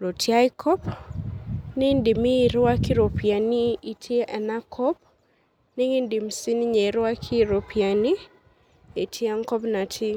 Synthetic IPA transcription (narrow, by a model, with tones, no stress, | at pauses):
lo˨tja˦jkʰɔ˦p | nɪ˦ndɪ˨mi˦˨ɾwa˦kɪ˦ɾo˨pja˨ni˦i˨tʰje˦ʔɛ˨na˦kʰɔ˦p̚ | ni˦ŋɪ˦ndɪ˨msi˦ni˦ɲe˨ɾwa˦kʰɪ˦ɾo˨pia˨ni˦ | e˨tʰje˦a˦ŋkɔ˦pna˨tʰi˦